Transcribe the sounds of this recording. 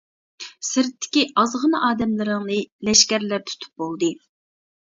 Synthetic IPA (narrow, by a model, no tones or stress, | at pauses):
sɪɾt̪ʰːɪ̥kʲiɑzʁənɨʔɑːd̪ɛmlɪɾɨŋnɨlɛʃkʲæɾlæɾt̪ʰu̥t̪ʰu̥p̚bolˠd̪ɨ